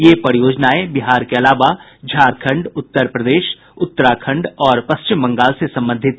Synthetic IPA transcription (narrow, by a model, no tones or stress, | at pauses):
jeːpɐɾjoːd͡ʒnaːebɪɦaːɾkeɐlaːʋa | d͡ʒʱaːɾkʰə̃ɳɖʊt̪ːəɾpɾəd̪eːʃ | ʊt̪ːəɾaːkʰə̃ɳɖɔːɾpɐst͡ʃɪmbɐ̃ŋɡaːlsesɐ̃mbə̃nd̪ʱɪt̪̚